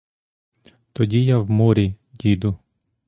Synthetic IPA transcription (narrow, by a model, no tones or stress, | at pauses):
t̪ɔdʲijawmɔɾʲi | dʲid̪ʊ